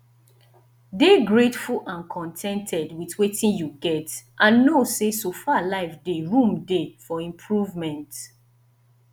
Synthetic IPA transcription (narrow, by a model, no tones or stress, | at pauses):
deɡɹetfuʔãnkʰɔ̃ntʰɛ̃ntʰɛdwitwetĩnjuɡɛtʔãnːosesofalaɪfdeɹũmdefɔĩmpʰɹuvmɛ̃nt